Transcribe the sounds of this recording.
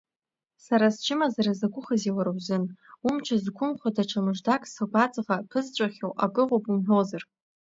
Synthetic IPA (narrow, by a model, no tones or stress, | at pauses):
saɾast͡ʃʰɪmazaɾazaɡʷʊχaziwaɾawzɨnumt͡ʃʷʰazɡʷʰʊmχʷadaʈ͡ʂʷʰamɨʐdakʼsaɡʷat͡sʼʁapʰɨzt͡ʃʷʼaχʲowʔaɡʼɨʁʷopʼumħʷᶣozar